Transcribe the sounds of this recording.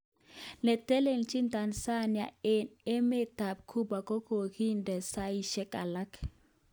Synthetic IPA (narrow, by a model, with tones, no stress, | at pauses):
nɛ˨tɛ˦le˨ŋt͡ʃi˦nta˨nsa˦˨nja˨e˨ne˦me˦ta˨p̚kʰu˦ba˨ko˦ko˨ki˦ndɛ˨sa˦i˦ʃɛ˦ka˨la˦k